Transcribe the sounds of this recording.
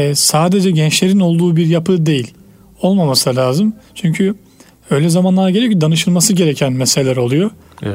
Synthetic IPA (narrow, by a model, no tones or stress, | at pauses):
ɛsaːd̪e̞d͡ʒɛɟɛnt͡ʃlʲe̞ɾino̞lˠd̪uːbiɾjapʰɯd̪e̞jilʲ | o̞lˠmamasɯalʲaːzɯmt͡ʃʰyɲcʰy | ø̞jlʲɛzamanlˠaɾɟeejocid̪anɯʃɯlˠmasɯɟe̞ɾecʰænmɛseelʲæɾo̞lˠujo